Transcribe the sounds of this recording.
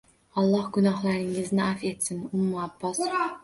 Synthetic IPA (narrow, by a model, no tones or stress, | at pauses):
ɒlˠːɑhɡʊnɑhlˠaɾɪŋɪznɪʔafe̞t̪sɪnʊmːʊabːɒs